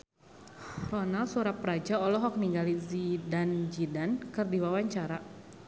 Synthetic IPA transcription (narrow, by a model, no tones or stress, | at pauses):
rɔnalsuɾapɾad͡ʒaɔlɔɦɔk̚niŋɡalizidand͡ʒidankɨrdiwawaɲt͡ʃaɾa